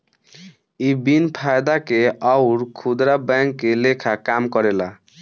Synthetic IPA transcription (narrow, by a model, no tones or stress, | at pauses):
ibinpʰajd̪akeawɾkʰud̪ɾabɛŋkːelekʰakamkɔɾela